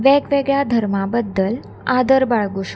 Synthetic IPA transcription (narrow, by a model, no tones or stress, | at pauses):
ʋɛɡʋeɡɭjad̪ʱəɾmabəd̪ːəl | ad̪əɾbaɭɡuɕ